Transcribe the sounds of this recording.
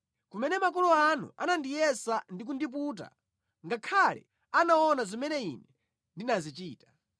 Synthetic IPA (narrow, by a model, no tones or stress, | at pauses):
kumɛnɛmakɔlɔanṵʔa̰nandijɛsandik̬undip̬uːt̬a̰ | ŋɡakʰalɛ̰ | anaɔnazɔmɛnɛinɛ | ndinazit͡ʃiːtḁ